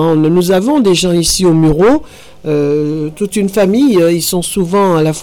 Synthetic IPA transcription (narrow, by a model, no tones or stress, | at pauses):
nuzavɔ̃d̪eʒɑ̃isiomyʁo | øt̪ut̪ynfamijilsɔ̃suvɑ̃alaf